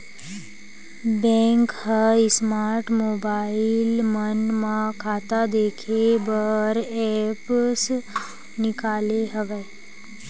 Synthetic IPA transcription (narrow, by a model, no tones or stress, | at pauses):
bɛ̃ːŋkhəɪsmaːɾʈmoːbaːɪlmənmãkʰaːt̪ad̪eːkʰebəɾɛps | nɪkaːleɦəʋɛ